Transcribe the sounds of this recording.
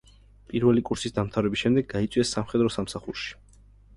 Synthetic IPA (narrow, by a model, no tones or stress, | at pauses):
pʼiɾvɛlikʼuɾsisd̪amt̪ʰavɾɛbisʃɛmd̪ɛɡːait̪sʼwiɛsːamχɛd̪ɾɔsamsaχuɾʃi̥